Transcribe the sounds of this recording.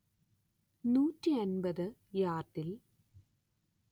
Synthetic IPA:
nuːtːiɐnbɐðɨjaːrʈːil

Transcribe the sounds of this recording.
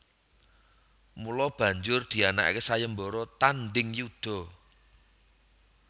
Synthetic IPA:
mulɔb̥ä̤ɲd͡ʒʊrd̪̥i̤ana̰ʔkesajəmbɔɾɔt̪anɖɪŋjud̪̥ɔ̤

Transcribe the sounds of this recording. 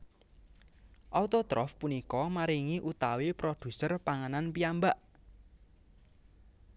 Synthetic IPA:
ʔɔt̪ot̪ɾɔ̰fpunikɔmaɾiŋiʔut̪awepɾod̪̥ṳsərpaŋananpiambaʔ

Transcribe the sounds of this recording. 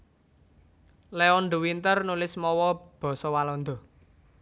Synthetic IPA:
leɔnɖ̪o̤wint̪ərnulɪsmɔwɔb̥ɔ̤sɔwalɔnd̪ɔ̤

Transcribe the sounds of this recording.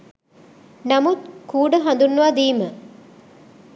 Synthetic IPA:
nɐmut̪kuːɖəɦɐnd̪unːuʋad̪iːmə

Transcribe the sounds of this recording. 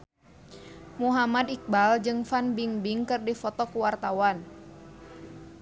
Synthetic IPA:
muɦamad̪ik̚bald͡ʒɨŋfanbiŋbiŋkɨrdifɔt̪ɔkuwart̪awan

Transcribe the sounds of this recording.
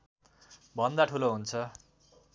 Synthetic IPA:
bʱʌnd̪aʈʰuloɦunt͡sʰʌ

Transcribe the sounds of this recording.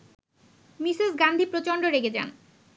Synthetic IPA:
misesɡand̪ʱipɾot͡ɕoɳɖoɾeɡed͡ʑa̰n

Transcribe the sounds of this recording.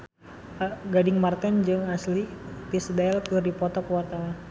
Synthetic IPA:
aɡadɪŋmart̪ɛnd͡ʒɨŋaslip̪isdaɛlkɨrdipɔt̪ɔkəwart̪awan

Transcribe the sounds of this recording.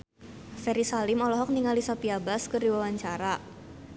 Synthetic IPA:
fɛɾisalɪmɔlɔɦɔk̚niŋalisɔpiabaskɨrdiwawaɲt͡ʃaɾa

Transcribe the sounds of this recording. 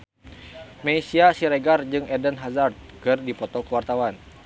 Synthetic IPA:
meisiasiɾɛɡard͡ʒɨŋɛdənɦazart̪̚kɨrdipɔt̪ɔkəwart̪awan

